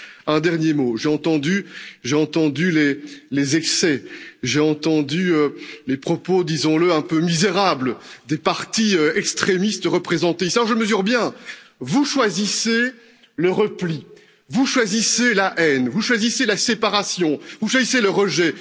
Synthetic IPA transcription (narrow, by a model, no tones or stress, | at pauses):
ɛ̃d̪ɛʁnjemoʒeɑ̃t̪ɑ̃d̪yʒeɑ̃t̪ɑ̃d̪ylelezɛksɛʒeɑ̃t̪ɑ̃d̪yølepχɔpod̪izɔ̃ləɛ̃pømizeʁabləd̪epaʁt̪iøɛkst̪χemist̪əʁəpχezɑ̃t̪eisalɔʁʒəməzyʁbjɛ̃vuʃwazise | ləʁəpli | vuʃwaziselaʔɛnvuʃwaziselasepaʁasjɔ̃vuʃwaziseləʁəʒɛ